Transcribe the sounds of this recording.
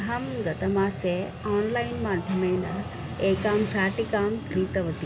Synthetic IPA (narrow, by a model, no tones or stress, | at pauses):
ɦɐmɡɐt̪ɐmaːse | aːnlaːinmaːd̪ʱjɐmɐjnɐ | eːkaːmsaːʈikaːmkʰɾiːt̪ɐʋɐt̪i